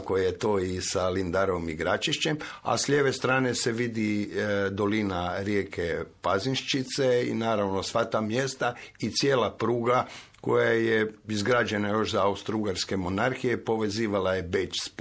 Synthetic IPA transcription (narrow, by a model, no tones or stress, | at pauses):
kojet̪oːisalind̪aɾomiɡɾat͡ʃiʃt͡ɕem | a̰sʎʲeʋe̞st̪ɾaːneseʋid̪id̪o̞linaɾje̞kʰepazinʃt͡ʃit̪seḭnaːɾaʋno̞sʋat̪aːmje̞st̪ait̪sjeːlˠapɾuːɡa | ko̞̰jajeizɡɾaːd͡ʒenajo̞ʃzaaust̪ɾuɡaɾske̞mo̞naɾxijepo̞ʋe̞ziːʋalajebet͡ʃsp